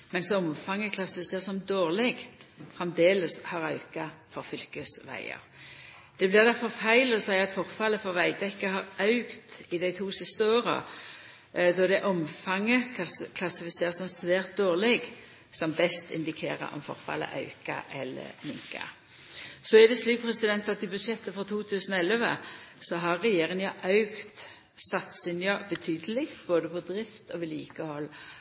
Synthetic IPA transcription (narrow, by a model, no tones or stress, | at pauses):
mɛnsɔmfɑŋːəkʰlɑsɪfɪseːʁsɔmd̪oːʁlɛɡfʁɛmd̪eːləshɑʁɑʉkɑfɔʁfʏlkəsʋæ̰ɪə̰ʁ | d̪̥ɛblɪʁd̪æʁfɔʁfæɪlɔsæɪɑt̪fɔʁfɑləfɔʁʋæɪd̪ɛkːəhɑʁɑʉkt̪ɪd̪æɪt̪ʰuːsɪst̪əoːʁə̰ | d̪ɔd̪ɛʔɔmfɑŋːəkʰlɑsɪfɪseːʁsɔmsʋæːʁt̪̚d̪oːʁlɪɡ | sɔmbɛst̪ɪ̰nd̪ɪkʰḛːɾə̰ɾɔ̰mfɔ̰ɾfɑ̰lːə̰ʔɑ̰ʉkɑ̰ʔɛlːə̰mɪ̰ŋka̰ | sɔæd̪ɛsliːpʰɾɛsɪd̪ɛnt̪ɑt̪ɪbʉd̪ʃɛt̪ːəfɔt̪ʰuːt̪ʰʉːsənɔɛlʋə̰sɔɦɑʁːɛjeːɾɪŋjɑʔɑʉkt̪ | sɑt̪sɪnjɑbət̪ʰyːd̪əlɪkt̪boːd̪əpʰɔd̪ɾɪft̪ɔʋɪliːkəhɔlː